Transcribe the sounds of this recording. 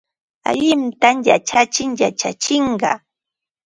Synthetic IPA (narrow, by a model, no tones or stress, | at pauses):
a̰ʎɪmt̪amja̰t͡ʃat͡ʃɪŋja̰t͡ʃa̰t͡ʃɪɴɢɑ